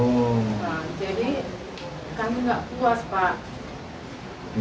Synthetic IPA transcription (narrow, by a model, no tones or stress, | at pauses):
ad͡ʒadi | kamiŋɡaʔkuaspat̪̚